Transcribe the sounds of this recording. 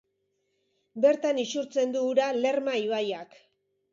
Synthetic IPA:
be̞ɾt̪anisuɾt͡se̞nd̪uːɾale̞rmaiβajak

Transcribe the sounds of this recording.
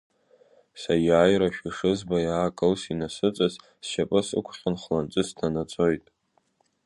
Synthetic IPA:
sajaːjɾaʃᶣiʂɨzbajaːkʼɨlsinasɨt͡sʼaz | sʃapʼɨsɨ̰kʷʰχʲanχlant͡sʼɨstʰanat͡sʼo̞jtʼ

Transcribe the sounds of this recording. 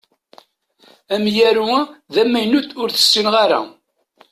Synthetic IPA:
æmjæɾuðæmːæjnut̪ʊɾθə̥sːinʁaɾa̰

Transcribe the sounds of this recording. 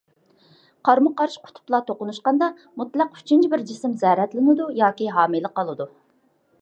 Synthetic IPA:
qʰɑɾmʊqɑɾʃqʰʊ̥t̪ʰʊ̥plˠɑt̪ʰoqʊnuʃqɑnd̪ɑ | mut̪læqy̥t͡ʃʰint͡ʃʰibɪɾd͡ʒisɪmzɛɾɛt̪lɪnɪd̪ujɑːkʲiɦɑːmilˠəqːɑlˠɨd̪u

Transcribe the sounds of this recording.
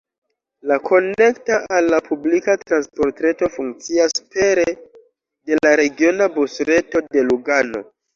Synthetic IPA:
lakʰo̞ne̞ktaʔalːapublikatɾanspo̞ɾtɾe̞to̞fuŋk̚t͡siaspe̞ɾe | de̞laɾe̞ɡio̞nabusɾe̞to̞de̞luɡano̞̰

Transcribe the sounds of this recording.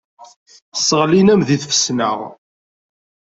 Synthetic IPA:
θə̥sːəʁlinæmðiθfə̥snə̰ʁ

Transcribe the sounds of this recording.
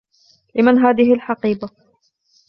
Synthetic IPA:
lɪmanɦaːðɪhɪlħɑqiːba

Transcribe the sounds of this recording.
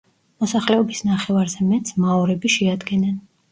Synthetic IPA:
mɔsaχlɛɔbisnaχɛvaɾzɛmɛt̪smaɔɾɛbiʃɛad̪ɡɛnɛn

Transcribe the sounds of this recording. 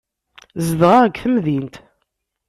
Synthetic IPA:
zəðʁaʁɡθəmðint̪

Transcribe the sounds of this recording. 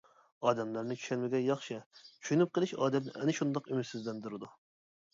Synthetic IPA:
ɑːd̪ɛmlæɾnɪt͡ʃʰy̥ʃɛnmɪɡʲɛjɑχʃɪt͡ʃʰy̥ʃynyp̚qʰəlˠɨʃɑ̰ːd̪ɛt̪nɪ̰ʔɛ̰nɪʃund̪ɑqymɪt̪sɪzlɛnd̪uɾɨd̪u

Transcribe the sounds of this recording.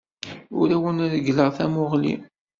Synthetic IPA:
ʊɾæwənɾəɡləʁθæmʊʁlḭ

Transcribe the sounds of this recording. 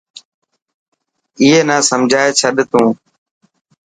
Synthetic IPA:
iːɦeːnaːsəmd͡ʒʱaːeːt͡ʃʰəɗt̪ũː

